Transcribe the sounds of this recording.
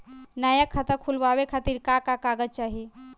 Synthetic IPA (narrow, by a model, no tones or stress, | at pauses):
nɐjakʰːɐt̪əkʰulʋaːʋekʰat̪iɾkakakaɡət͡ʃaːɦie